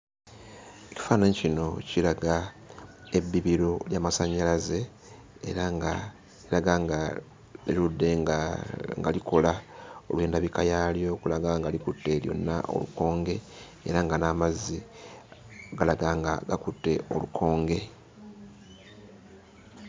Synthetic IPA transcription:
eci̥faːnaɲcino̞cilaɡa | e̞βːiβiɾoljaːmasaɲːalaze̞ː | ɾaɡa | lilaɡaŋɡa | iludːe̞ | ŋɡalikʰolao̞̰lwe̞ːndaβikajaljo̞kulaɡaŋɡalikutːe̞ljo̞̰nːa̰ʔo̞̰luko̞ːŋɡe̞ | ḛɾaŋɡanaːmazi | ɡalaɡaːŋɡaɡakutːe̞ʔo̞lukʰo̞ːŋɡe̞

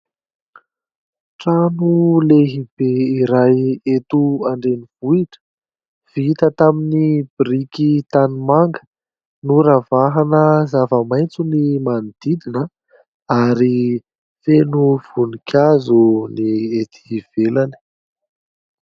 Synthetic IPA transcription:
ʈ͡ʂanuleɦib̥eiɾajet̪uaɳɖ͡ʐeniv̥uiʈ͡ʂə̥ | v̥it̪ət̪aminib̥irikit̪animaŋɡə̥ | nuɾavaɦanəzavəmajnt͡sunimand̪̥id̪inə | aɾi | fenuv̥unikʲʰazuniet̪ʰi̥v̥elani̥

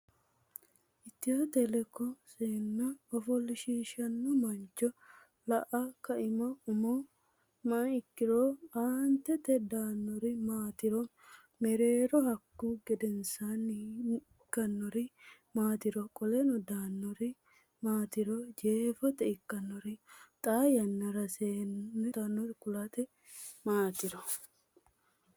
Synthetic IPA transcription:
ʔɪt̪ːɪhɐt̪ɛlɛkːɔseːnːɐɔfɔlːɪʃiːʃɐnːɔmɐnt͡ʃːɔ | lɐʔɐkɐʔɪmɐʊmɔ | mɐɪkːɪɾoːaːnt̪ɛt̪ɛd̪aːnːɔɾɪmaːt̪ɪɾɔ | mɛɾeːɾɔhɐkːuɡɛd̪ɛnsanː | kːɐnːɔɾɪ | maːt̪ɪɾɔkʼɔlɛnɔd̪aːnːɔɾɪ | maːt̪ɪɾɔd͡ʒeːfɐt̪ɛɪkːɐnːɔɾɪt̪ʼaːjɐnːɐɾɐseːnːɛd̪aːnːɔɾɪkʊlat̪ɛ | maːt̪ɪɾɔ

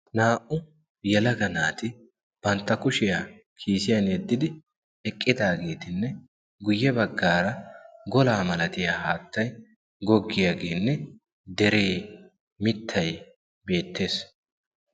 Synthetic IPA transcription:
naːʔʊ | jɛlɐɡɐnaːt̪ɪ | b̥ɐnt̪ːɐkʊʃɪjaː | kʰiːsɪjɐnjɛd̪ːɪd̪ɪ | ɛkʼːɪd̪aːɡe̞ːt̪ɪnːɛ | ɡʊjːɛbɐɡːaːɾɐɡɔlaːmɐlɐt̪ɪjaːhaːt̪ːɐj | ɡɔɡːɪjaːɡe̞ːnːɛ | d̪ɛɾe̞ː | mɪt̪ʰːɐj | be̞ːt̪ʰːe̞ːs

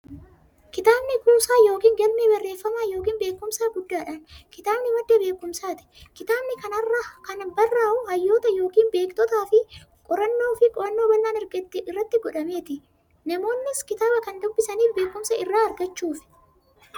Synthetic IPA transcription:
kɪt̪aːbnɪkuːsaːjo̞ːkiːŋɡɐlmebɐrːe̞ːfːɐmaːjo̞ːkiːnbe̞ːkːʊmsaːɡʊd̪ːaːᶑɐnkɪt̪aːbnɪmɐd̪ːebe̞ːkːʊmsaːt̪ɪ̥kɪt̪aːbnɪkɐnɐrːakɐnbɐrːaːʔʊhɐjːo̞ːt̪ɐjo̞ːkiːnbe̞ːkt̪ɔt̪aːfɪkʼɔɾɐnːo̞ːfɪkʼɔɾɐnːo̞ːbɐlːaːnɛɾɡɐt̪ːɪɪrːɐt̪ːɪɡɔᶑɐme̞ːt̪ɪ | nɐmo̞ːnːɪskɪt̪aːbɐkɐnd̪ʊbːɪsɐniːfbe̞ːkːʊmsɐɪrːaːɐɾɡɐt͡ʃːuːfɪ̥

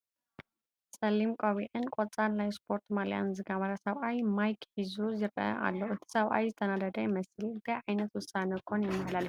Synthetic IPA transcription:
sɐlimkʼoβiʕɨnkʷʼɔt͡sʼanajspʰo̞ɾt̪ʰmalja̰nzɨɡaβaɾasɐβʔajmajkħizuzɨɾɐ̰ʔa̰lːoɨt̪ʰi̥sɐβʔa̰jzɨt̪ʰɐnad̪ɐd̪ɐjmɐsɨlɨnt̪ʰajʕajnɐt̪wʊsanɐkʰːonjɛmːɨβlal

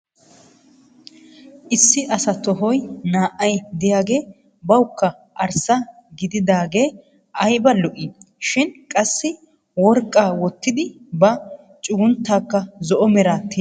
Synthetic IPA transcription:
ʔɪsːɪʔɐsɐt̪ɔɦɔjnaːʔːɐjd̪ɪjaːɡe̞ː | bɐwʊkːɐ | ɐɾsɐ | ɡɪd̪ɪd̪aːɡe̞ː | ʔɐjbɐlɔʔɪ | ʃɪnkʼɐsːɪ | wɔɾkʼːaːwɔt̪ːɪd̪ɪ | bɐ | t͡ʃʼʊɡʊnt̪ːaːkːɐzɔʔɔmɛɾaːt̪ːi

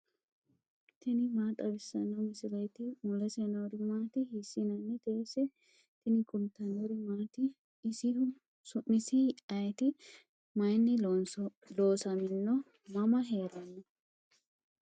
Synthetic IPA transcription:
t̪ʰɪnɪmaːt̪ʼɐbɪsːɐnɐwmɪsɪlɐjt̪ɪmɔlɛsɛnɐwɾɪmaːt̪ɪhisːɪnɐnːɛt̪eːsɛ | t̪ɪnɪkʼʊnt̪ːɐnɔɾɪmaːt̪ɪ | sɪhʊ | sʊmɪsɪɐjt̪ɪ | mɐjnːɪ | loːsɐmɪnːɔ | mɐmɐɦeːɾɐnːɐ

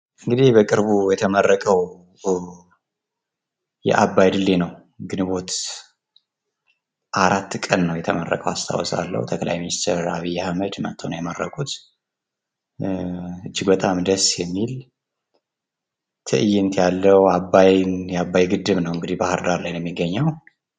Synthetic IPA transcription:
ʔɨŋɡɨd̪ihbəkʼɨɾbujɛt̪ʰəmərːəkʼəw | jɛ̰ʔabːajd̪ɨlːenəw | ɡɨnɨβo̞t̪ | ʔaɾat̪ːkʼənːəwjɛt̪ʰəmərːə̰kʼəwast̪ʰa̰wɔsa̰lːə̰wt̪ʰəkʼla̰jminist̪ʰəɾa̰βijːahməd̪mə̰nt̪ʰəwnjɛmərːəkʼut̪ | ɨd͡ʒːiɡbət̪ʼamd̪əsjɛmːil | t̪ʰɨʔɨjɪnt̪jalːəwabːajnjɛabːajɡɨd̪ːɨβnəwɨŋɡɨd̪ihbahɨɾd̪aɾlajnjɛmːiɡːəɲːaw

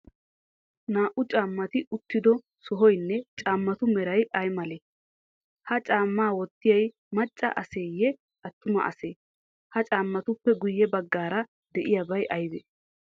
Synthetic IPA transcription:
naːʔʊt͡ʃʼaːmːɐt̪ɪʔʊt̪ːɪd̪ɔ | sɔɦɔjnːɛt͡ʃʼaːmːɐt̪ʊmɛɾɐjʔɐjmɐleː | hɐt͡ʃʼaːmːaːwɔt̪ːɪjɐj | mɐt͡ʃʼːɐ̰ʔɐse̞ːjːɛ | ʔɐt̪ːʊmɐ̰ʔɐ̰seː | hɐt͡ʃʼaːmːɐt̪ʊpːɛɡʊjːɛbɐɡːaːɾɐ | d̪ɛʔɪjabɐjʔɐjb̪ḛː

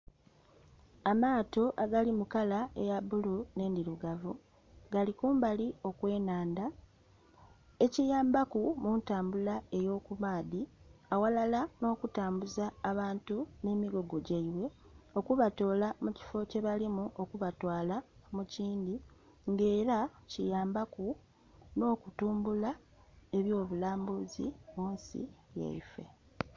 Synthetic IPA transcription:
amaːto̞ʔaɡalimukalaejaβulune̞ːndiɾuɡavu | ɡalikuːmbalio̞kwe̞ːnaːnda | e̞cijaːmbakumuntaːmbulae̞jo̞ːkumaːðiawalalano̞ːkutaːmbuzaːβaːntune̞ːmiɡo̞ɡo̞ɟaiβwe̞o̞kuβato̞ːlamuci̥fo̞ce̞βalimuʔo̞kuβatwaːlamuciːndi | ŋɡe̞ːɾacijaːmbaku | no̞ːkutuːmbula | e̞βjo̞ːβulaːmbuzḭmuːnsḭja̰ife̞̰

